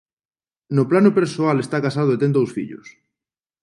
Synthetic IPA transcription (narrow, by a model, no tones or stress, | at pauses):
noplanopeɾsoalest̪akasaðoet̪ent̪owsfḭʎo̰s